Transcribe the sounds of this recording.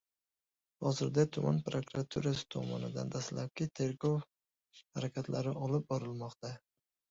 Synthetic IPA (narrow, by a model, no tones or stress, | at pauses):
hɒzɪɾd̪at̪ʰʊma̰npɾokɾat̪ʰuɾasɪ̥t̪ʰɒmɒ̰nɪd̪a̰nd̪ʰaslap̚kʲɪt̪ʰe̞ɾɡow | haɾakʲʰat̪laɾɪʔɒlɪp̚bɒɾɪlmɒqt̪ʰa